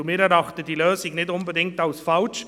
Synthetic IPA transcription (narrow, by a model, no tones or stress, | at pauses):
ʊmɪɾɛɾɑχtədiːløːsɪŋnɪtʊnbədɪŋk̚taʊsfalt͡ʃ